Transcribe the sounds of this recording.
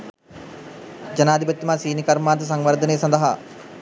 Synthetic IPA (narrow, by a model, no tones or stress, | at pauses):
d͡ʒɐnaːd̪ʱibɐt̪ːimaːsiːnikɐɾmaːt̪əs̬aŋʋɐɾd̪ʱənejsɐ̃nd̪ɐɦa